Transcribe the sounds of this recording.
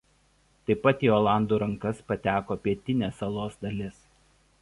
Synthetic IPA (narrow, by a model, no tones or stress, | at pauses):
t̪ɐɪpɐt̪iːoːlˠɑˑnd̪uːɾɐŋkɐspɐt̪ʲæːkoːpʲiɛt̪ʲɪnʲeːsɐlˠoːsd̪ɐlʲɪs